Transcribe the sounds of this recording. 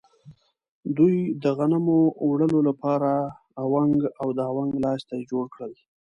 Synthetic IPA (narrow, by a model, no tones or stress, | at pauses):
d̪ujd̪əɣanamowɽəlolapɑɾaː | waŋɡawd̪əawaŋɡlɑst̪ad͡ʒoɽkɽəl